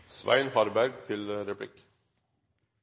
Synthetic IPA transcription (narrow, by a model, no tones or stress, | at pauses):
sʋʔæ̰ɪnhɑɾbæɾɡ̚t̪ʰɪlɾɛpʰlɪ̰k